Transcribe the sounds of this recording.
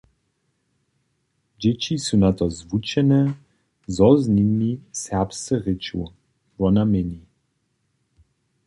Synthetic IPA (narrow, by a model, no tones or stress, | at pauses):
d͡ʑɛt͡ɕisunat̪ɔzvut͡ʃɛnɛ | zɔzninmisɛʁpst͡sɛʁɪt͡ʃṵ | vɔnamɛni